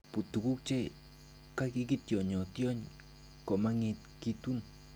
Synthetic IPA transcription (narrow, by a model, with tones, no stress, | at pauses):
pu˨t̪u˨ku˦k̚t͡ʃe˦ | ka˦ki˦ki˦t̪jo˨ɲo˨t̪jo˦ɲ | ko˨ʔma˦ŋi˧t̪̚ki˦t̪u˦n